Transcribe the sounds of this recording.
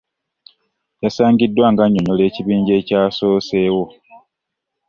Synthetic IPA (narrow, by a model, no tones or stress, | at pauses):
jasaːŋɡidːwaːŋɡaɲːoɲole̞ːciβiːɲɟe̞ːcaːsoːse̞ːwo̞